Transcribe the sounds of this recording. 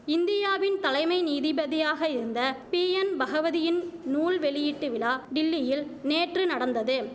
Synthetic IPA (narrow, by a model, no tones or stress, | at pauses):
ɪnd̪ɪjaːʋɪnt̪ɐlɐɪmɐɪniːðɪbɐðɪjaːɣɐɪɾɯnd̪ɐpiːɛnbɐɣɐʋɐðɪjɪnnuːlʋɛɭɪjiʈːɯʋɪlaːɖɪlːɪjɪlneːʈrɯnɐɽɐnd̪ɐðɯ